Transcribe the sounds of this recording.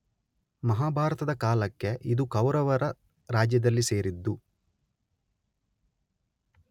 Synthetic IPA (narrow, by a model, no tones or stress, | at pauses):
mɐɦaːbʱaːɾɐt̪ɐd̪ɐkaːlɐkːe̞ʔid̪ukɐwɾɐʋɐɾɐ | ɾaːd͡ʒjɐd̪ɐlːise̞ːɾid̪ːu